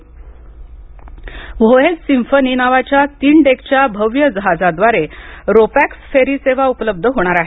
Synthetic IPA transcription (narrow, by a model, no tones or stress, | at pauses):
ʋʱojet͡ssimfəninaʋat͡ɕjat̪iːɳɖekt͡ɕjabʱəʋjəd͡zəɦad͡zad̪ʋaɾeɾopæksfeɾiːseʋ̤aupləb̚d̪ʱəɦoɽ̃aɾaɦe